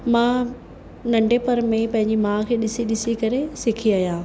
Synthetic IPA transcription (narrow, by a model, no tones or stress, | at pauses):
mãː | nɐ̃ɳɖʱepɐɾmẽpɐ̃ɦɪ̃ɲ̆d͡ʑimãːkʰeːɗɪsiɗɪsikɐɾesɪkʰiaːjãː